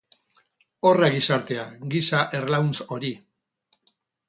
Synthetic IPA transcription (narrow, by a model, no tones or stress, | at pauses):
o̞raɡisaɾt̪e̞aɡisaʔerlawnso̞ɾi